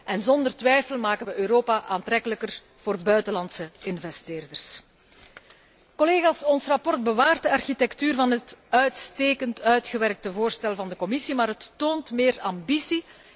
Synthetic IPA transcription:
ʔɛnzɔnd̪ərtʋɛjfəlˠmaːkənʋəʔøɾoːpaʔaːntɾɛkələkər | v̥oːrbœɥtəlɑntsəɪnvɛsteːrdərs | kɔleːɣaːsɔnsrɑpɔrt̚bəʋaːrt̚dəɑrxitɛktyːrvɑnɦətœɥtsteːkəntœɥtxəʋɛrk̚təvoːrstɛlˠvɑndəkɔmɪsimaːɾɦətːoːntmɪːrɑmbisi

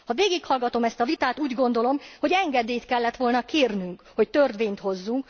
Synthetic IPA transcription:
hɒveːɡikhɒlɡɒt̪o̞mɛst̪ɒvit̪aːt̪uːɟɡo̞nd̪o̞lo̞mho̞ɟɛŋɡɛd̪eːjt̪kɛlːɛt̪ʋo̞lnɒkeːrnyŋkho̞ct̪ørd̪ʋeːɲt̪ho̞zːuŋk

